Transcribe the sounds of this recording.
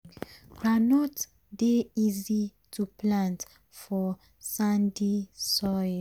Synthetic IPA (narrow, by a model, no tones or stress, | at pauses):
kɹanɔt | deizitʰuplãnt | fɔ | sãndisɔɪ